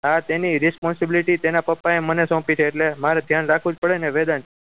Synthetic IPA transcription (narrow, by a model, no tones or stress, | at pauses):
ɦat̪eniɾɪspɔnsɪbiliʈit̪enapəpːaemənesɔ̃pit̪ʰeːʈlemaɾed̪ʱjanɾakʰʋũd͡ʒpəɽeneʋed̪ant͡ʃʰe